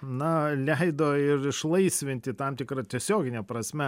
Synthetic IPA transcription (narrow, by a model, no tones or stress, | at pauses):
nɐlʲɛɪd̪oɪɾɪʃlˠɐɪsʲʋʲɪnʲt̪ʲɪt̪ɐmt̪ʲɪkɾɐt̪ʲiɛsʲoːɡʲɪnʲɛpɾɐsʲmʲɛ